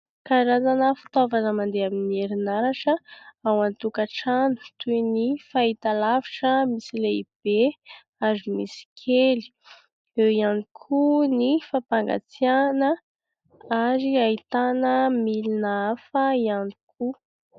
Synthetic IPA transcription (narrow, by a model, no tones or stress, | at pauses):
kaɾazanəfi̥t̪ovanəmand̪eaminieɾinaɾaʈ͡ʂəawant̪ukaʈ͡ʂanu̥t̪unifait̪alaviʈ͡ʂəmisileib̥e | azimisi̥kʰeli̥ | ewianikʰunifapaŋɡa̰t͡sianə | aɾiait̪anəmilinaafəianikʰu